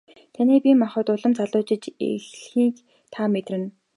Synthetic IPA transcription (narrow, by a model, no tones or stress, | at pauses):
t̪ʰaniːpʲimaχʊ̆ːt̪ʊɮə̆mt͡sʰaɮʊːt͡ɕɪ̆t͡ɕḛɮxiːk | t̪ʰaːmet̪rɘ̆n